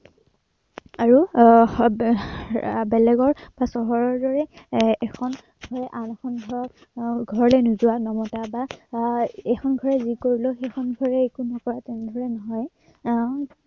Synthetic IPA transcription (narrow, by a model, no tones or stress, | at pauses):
aɹu | bɛlɛɡɔɹbasɔɦɔɹɔɹdɔɹɛːkʰɔn | ɡʱɔɹɛʔanɛkʰɔnɡʱɔɹɔk | ɡʱɔɹɔlɛnuzuwanɔmɔtaba | ɛxʰɔnɡʱɔɹɛzikoɹiloxexʰɔnɡʱɔɹɛekunɔkɔɹatɛnɛdʱɔɹɛnɔɦɔj